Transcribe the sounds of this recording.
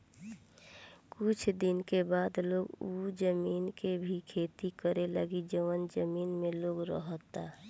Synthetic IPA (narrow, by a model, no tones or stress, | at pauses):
kʊt͡ʃʰd̪ɪnkebaːd̪loːɡud͡ʒəmiːnkebʱikʰeːt̪ikəɾeləɡid͡ʒəʋənd͡ʒəmiːnmẽloːɡɾəɦt̪a